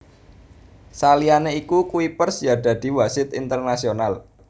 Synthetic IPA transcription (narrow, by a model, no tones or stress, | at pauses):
salianeikukuipərsjaɖ̥ä̤d̪̥i̤wasɪt̪int̪ərnasional